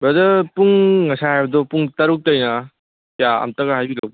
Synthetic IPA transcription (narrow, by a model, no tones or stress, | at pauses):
bɐdɐpuŋːɐsaɦajbɐdɔpuŋtɐɾuk̚tɐjnɐ | jaɐ̰mtɐɡaɦajbilɐw